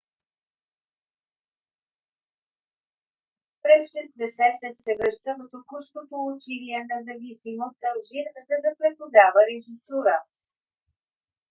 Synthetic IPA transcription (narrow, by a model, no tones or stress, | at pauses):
pɾɛsʃɛzd̪ɛsɛt̪ɛsːɛvɾəʃt̪əkət̪okuʃk̪ot̪oʊt͡ʃiliɛnɐzɐvisimost̪ɐlˠʒiɾzɐd̪ɐpɾɛpod̪avəɾɛʒisuɾə